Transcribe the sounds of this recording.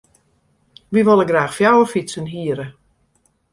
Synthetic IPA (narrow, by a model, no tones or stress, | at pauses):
ʋiʋolˠəɡraːxfjawəfisənɦiəɾə